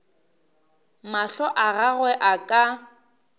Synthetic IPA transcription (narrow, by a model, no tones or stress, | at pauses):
maɬɔʔaɣaɣwɛʔakʼa